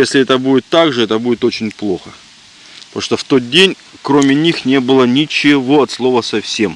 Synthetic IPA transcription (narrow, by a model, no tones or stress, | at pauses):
jesʲlʲɪɛt̪əbudʲɪt̪ːaɡʐɨɛt̪əbudʲɪt̪o̞t͡ɕɪnʲplˠo̞xə | poʂt̪oft̪o̞t̪̚dʲenʲ | kɾomʲɪnʲixnʲe̞bɨlˠənʲɪt͡ɕɪvo̞ɐt̪slˠo̞vəsɐfsʲe̞m